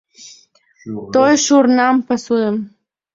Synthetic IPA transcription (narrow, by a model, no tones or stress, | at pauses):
t̪ojʃuɾnampasuəm